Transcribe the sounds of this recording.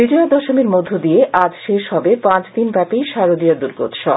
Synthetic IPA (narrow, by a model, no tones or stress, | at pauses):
iɖiod̪ɔʃomeɾmod̪ʱːod̪ijeʔad͡ʑʃeʃhɔbepãt͡ɕd̪inbɛpijʃaɾod̪ijod̪uɾɡo̰t̪ʃɔ̰